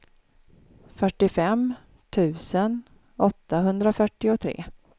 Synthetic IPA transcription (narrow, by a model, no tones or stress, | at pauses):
fœʈːɪfɛm | t̪ʰʉ̟ːsən | ɔt̪ːaɦɵnd̪ɾafœʈːɪʊt̪ʰɾḛː